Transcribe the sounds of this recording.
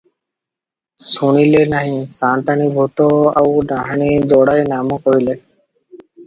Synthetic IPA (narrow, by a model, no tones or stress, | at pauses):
suɽ̃ilenaɦĩsant̪anibʱut̪oa̰wɖaɦaɳid͡zɔɽajnamokoɦile